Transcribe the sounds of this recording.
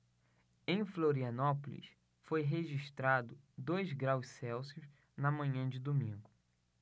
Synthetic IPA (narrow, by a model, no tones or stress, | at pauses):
ẽj̃floɾiɐnɔpolḭs | fojɦeʒiʃt̪ɾad̪ʊ | d̪ojzɡɾawʃsɛwsijʊz | nɐmɐ̃ɲɐ̃d͡ʒɪd̪omĩŋɡʊ